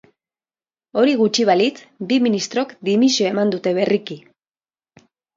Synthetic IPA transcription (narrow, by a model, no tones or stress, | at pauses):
o̞ɾiɣut͡ʃiβalit͡sbiminist̪ɾo̞kd̪imisioe̞mand̪ut̪e̞β̞e̞riki